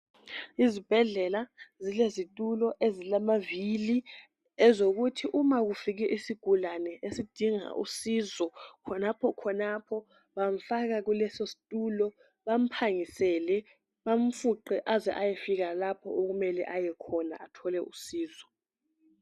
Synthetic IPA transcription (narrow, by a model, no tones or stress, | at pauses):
izib̥ʱɛɮɛlazilezitʼulɔʔezilamavili | ɛzok̬utʰiʔumak̬ufik̬ɛʔisiɡ̥ʱulanɛʔesid̥ʱiŋa̰ʔṵsizɔkʰɔnapʰɔkʰɔnapʰɔ | ɓam̩fak̬ak̬ulɛsosi̥tʼulɔ | ɓam̩pʰaŋisɛlɛ | ɓam̩fuǃɛʔazɛ̰ʔajɛfik̬alapʰɔ̰ok̬umɛlɛ̰ʔajɛkʰɔna̰ʔatʰɔlɛʔusiːzɔ